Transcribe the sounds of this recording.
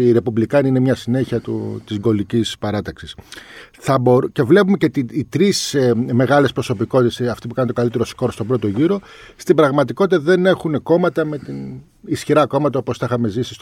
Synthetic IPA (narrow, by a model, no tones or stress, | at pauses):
ɾe̞publikɐniine̞mɲɐsine̞çiɐt̪ut̪izɡo̞licispɐɾɐt̪ɐksisθɐboɾce̞vle̞pumecet̪iit̪ɾisme̞ɣɐlespɾo̞so̞piko̞t̪it̪esesɐft̪ip̬ukɐneo̞kɐlit̪e̞ɾosko̞ɾst̪o̞bɾo̞t̪o̞ʝiɾo̞ | st̪ibɾɐɣmɐt̪iko̞t̪it̪ɐðe̞ne̞xuneko̞mɐt̪ɐme̞t̪in | isçiɾɐko̞mɐt̪ɐoposθɐixɐme̞zisi̥st̪